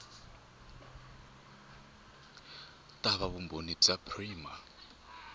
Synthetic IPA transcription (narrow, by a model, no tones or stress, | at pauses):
tʼaβaβumbonib͡ʐapʰriːma